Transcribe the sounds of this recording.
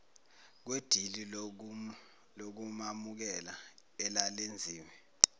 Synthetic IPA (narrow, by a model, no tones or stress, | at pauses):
k̬wed̥ʱili | lok̬umamuk̬ɛlaɛlalend͡zʱiːmɛ